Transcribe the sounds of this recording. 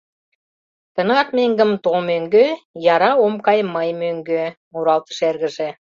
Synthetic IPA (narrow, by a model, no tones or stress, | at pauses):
t̪ə̆nɑt̪meŋɡə̆mt̪omøŋɡøjɑɾɑomkɑjmɑjmøŋɡømuɾɑlt̪ə̥ʃerɣə̆ʒe